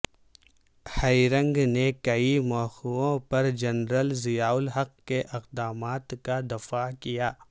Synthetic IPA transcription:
hɐiɾə̃ŋɡnekɐimɔːxuõpɐɾd͡ʒɐnɾəlzɪjaːʊlɦɐqkeʔɪqd̪aːmaːt̪kad̪ɐfakijaː

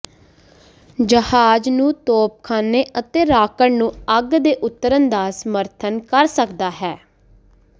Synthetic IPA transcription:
d͡ʒəhaːd͡ʒnũːt̪oːp̚kʰaːneːʔət̪eːɾaːkəɳnũːəɡd̪eːʔʊt̪ːəɾənd̪aːsəməɾt̪ʰənkəɾsəkd̪aːɦɛː

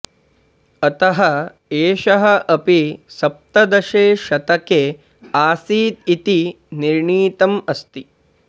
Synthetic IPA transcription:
ɐt̪ɐɦɐ | eːʃɐɦɐʔɐpisɐp̚t̪ɐd̪ɐʃeːʃɐt̪ɐkeː | aːsiːt̪it̪i | niɾɳiːt̪ɐmɐst̪i

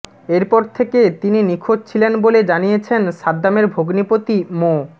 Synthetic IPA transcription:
eɾpɔɾt̪ʰeket̪ininikʰod͡ʑ̚t͡ɕʰilenboled͡ʑanijet͡ɕʰenʃad̪ːameɾbʱoɡnipot̪imo

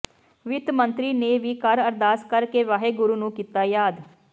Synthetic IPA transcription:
ʋɪt̪mənt̪ɾiːneːʋiːkəɾəɾd̪aːskəɾkeːʋaːɦeːɡʊɾuːnũːkiːt̪aːjaːd̪

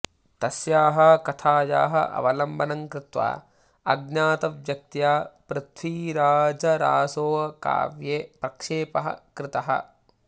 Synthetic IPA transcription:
t̪ɐsjaːɦɐkɐt̪ʰaːja̰ːɦɐ̰ʔɐ̰ʋɐlɐmbʱɐnɐŋkɾɪt̪ʋa̰ː | ɐɡ̚naːt̪ɐʋjɐk̚t̪jaːpɾɪt̪ʰʋiːɾaːd͡ʒɐɾaːsoːʋɐka̰ːʋjeːpɾɐkʂeːpɐɦɐ̰kɾɪt̪ɐɦɐ̰

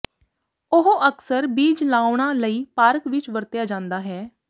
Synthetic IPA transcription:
ʊɦoʔəksəɾbiːd͡ʒlaːʊɳ̃aːləiːpaːɾkʋɪt͡ʃʋəɾt̪jaːd͡ʒãːnd̪aːɦɛː

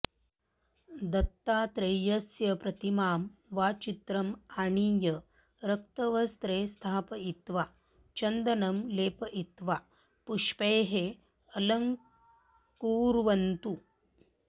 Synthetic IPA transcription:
d̪ɐt̪ːaːt̪ɾejɐsjɐpɾɐt̪imaːmʋaːt͡ʃit̪ɾɐmaːɳijɐ | ɾɐk̚t̪ɐʋɐst̪ɾeːst̪ʰaːpɐit̪ʋa | t͡ʃɐnd̪ɐnɐmleːpɐʔit̪ʋaː | puʂpejɦe | ɐlɐŋ | kuːɾʋɐnt̪u

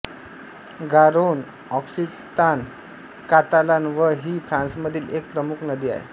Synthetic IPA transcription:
ɡaɾon | ɔksi | t̪an | kat̪alanʋəɦiːfɾãnsməd̪ʱiːlek̚pɾəmukʰnəd̪ia̰jḛ

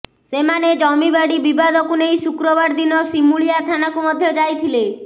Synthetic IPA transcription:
semaned͡ʒɔmibaɽibibad̪ɔkunejsukɾɔβaɾd̪inɔsimuɭijat̪ʰanakumɔd̪ʱjɔd͡ʒajt̪ʰile

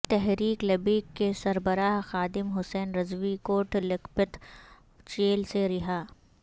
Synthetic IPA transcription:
t̪ɛɦɾiːklɐbiːkːesɐɾbəɾaːɦxaːd̪ɪmɦʊsɛːnɾɐzʋikoːʈʰlɪkpɪt̪ | t͡ʃeːlseɾɪɦaː

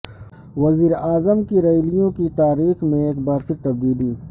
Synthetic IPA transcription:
wɐziːɾaːzəmkiɾɐjlijõkit̪aːɾiːxmẽeːkbaːɾfɪk̚t̪ɐbd̪iːli

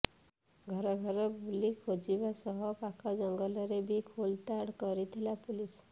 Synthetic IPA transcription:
ɡʱɔɾɔɡʱɔɾɔbulikʰod͡ʒibasɔɦɔpakʰɔd͡ʒɔŋɡɔlɔɾebikʰolt̪aɽkɔɾit̪ʰilapulis

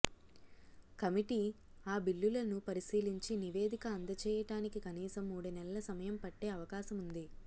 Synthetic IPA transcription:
kɐmiʈiːaːbiɭːulɐnupɐɾisiːliɲt͡ʃiniʋe̞ːd̪ʱikɐːnd̪ɐt͡ʃɛːjɐʈaːnikikɐniːsɐmːuːɽɐnɛlɐlɐsɐmɐjɐmpɐʈːe̞ːɐʋɐkaːsɐmund̪i

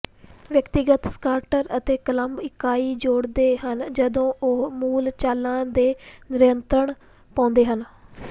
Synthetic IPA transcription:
ʋjəkt̪ɪɡət̪skaːɾʈəɾət̪eːkələmbɪkːaːiːd͡ʒoːɽd̪eːɦənd͡ʒəd̪õːʔʊɦmuːlt͡ʃaːlãːd̪eːnɪɾɪjənt̪ɾəɳ | pãːnd̪eːɦən

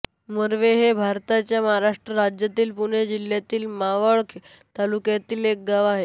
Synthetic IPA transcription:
məɾʋeɦebʱaɾt̪at͡ɕjaməɦaɾaʂʈɾəɾad͡ʑjat̪iːlpuɽ̃ed͡ʑil̤ːjat̪iːlmaʋəɭkʰ | t̪alukjat̪iːlek̚ɡaʋaɦe

